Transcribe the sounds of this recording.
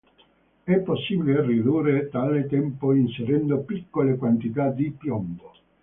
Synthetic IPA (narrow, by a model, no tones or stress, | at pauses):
ɛpːosːiːbilerːid̪uːret̪aːlet̪ɛmpoinseɾɛnd̪opikːolekwant̪it̪ad̪ipjɔmbo